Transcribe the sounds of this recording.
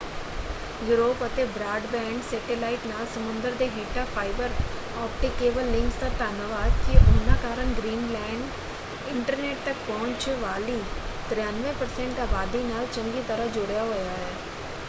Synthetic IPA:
juːɾoːpət̪eːbɾaːɖbɛ̃ːɳɖsɛːʈɪlaːɪʈnaːlsəmʊ̃nd̪əɾd̪eːɦeːʈaːpʰaːɪbəɾ | ɔːpʈɪkːeːʋəlːɪ̃ŋkst̪aːt̪aːnəʋaːd̪kɪʊnãːkaːɾəɳɡɾiːnlɛːɳɖ | ɪ̃ɳʈəɾneːʈ̚t̪ək̚pɔːɲt͡ʃʋaːliːt̪ɾɪjaːnʋẽpəɾsɛ̃ɳʈaːbaːd̪iːnaːlt͡ʃə̃ŋɡiːt̪əɾəd͡ʒʊɽjaɦoːjaːɦɛː

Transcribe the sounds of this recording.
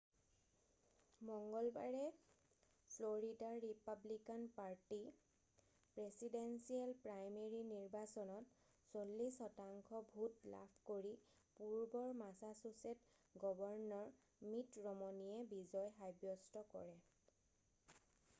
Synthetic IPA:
mɔŋɡɔlba̰ɹɛ | pʰloɹidaːipablikanpaɹti | pɹesidensialpɹajmeɹiniɹbasɔnɔt | solːisɔtaŋkʰɔbʱutla̰pʰkoɹi | puɹbɔɹmasasuset | ɡɔbɔɹnɔɹ | mitɹɔmɔnijɛbizɔjɦajbjɔstɔkɔ̰ɹɛ

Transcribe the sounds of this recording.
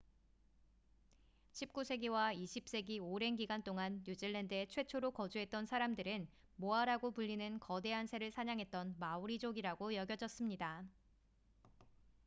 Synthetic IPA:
ɕʰip̚k͈usʰe̞ɡiwaiɕʰip̚s͈e̞ɡioɾe̞nɡiɡant͈oŋanːud͡ʑiɭːendɯe̞t͡ɕʰwe̞t͡ɕʰoɾokʌd͡ʑuɦe̞t̚t͈ʌnsʰaɾamdɯɾɯn | moaɾaɡopuʎːinɯnkʌde̞ɦansʰe̞ɾɯɭsʰaɲaŋɦe̞t̚t͈ʌnmauɾid͡ʑoɡiɾaɡojʌɡjʌd͡ʑʌs͈ɯmɲida

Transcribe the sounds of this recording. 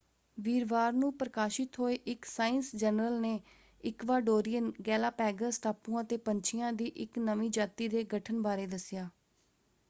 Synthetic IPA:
ʋiːɾʋaːɾnũːpɾəkaːʃɪt̪ɦoːeːʔɪksaːɪnsd͡ʒənɾəlneː | ɪkʋaːɖoːɾɪjənɡɛːlaːpɛːɡəsʈaːpːũːãːt̪eːpəɲt͡ʃʰɪjãːd̪iːʔɪknəmĩːd͡ʒaːt̪iːd̪eːɡəʈʰənbaːɾeːd̪əsɪjaː

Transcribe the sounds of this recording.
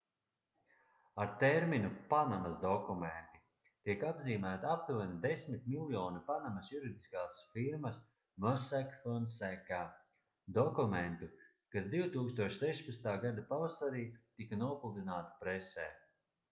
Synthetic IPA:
aɾt̪ɛɾminupanamɐsd̪ɔkument̪i | t̪iɛkabziːmæːt̪aap̚t̪uanid̪esmit̪milˠjɔːnipanamɐsjuɾid̪iskaːsfiɾmɐs | mœsakfɔnsɛka | d̪ɔkument̪u | kasd̪iwt̪uːkst̪uɔʃsɛʃpat̪st̪aːɡad̪apavasaɾiːt̪ikanuɔpulˠd̪inaːt̪ḁpɾesɛː

